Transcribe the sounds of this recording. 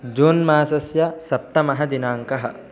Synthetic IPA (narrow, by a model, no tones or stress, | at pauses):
d͡ʒoːnmaːsɐsjɐsɐp̚t̪ɐmɐɦɐd̪inaːŋkɐɦɐ̰̆